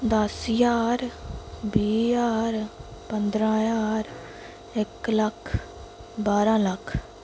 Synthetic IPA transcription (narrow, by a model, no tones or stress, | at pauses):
d̪əsjaːɾbiːjaːɾpənd̪ɾãːjaːɾ | ɪkləkʰ | baːɾãːləkʰ